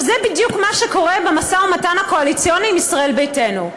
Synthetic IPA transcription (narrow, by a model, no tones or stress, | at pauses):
zebidjukmaʃeko̞ʁebemasaumatanhako̞alit͡sijo̞niːmisʁaʔe̞lbejte̞nu